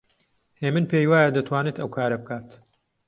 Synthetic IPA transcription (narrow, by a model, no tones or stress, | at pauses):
heːmɨnpʰejwaːjɐd̪ɐt̪ʰwaːneːt̪ɐwkʰaːɾɐbɨkʰaːt̪